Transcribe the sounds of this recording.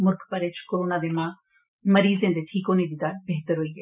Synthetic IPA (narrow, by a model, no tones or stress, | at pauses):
mʊɾɡpəɾeːt͡ʃkoːɾoːnãːd̪eːmãː | məɾiːzẽːnd̪eːʈʰiːkonẽːd̪iːd̪aːlbeːɦt̪əɾɦoːiːɛː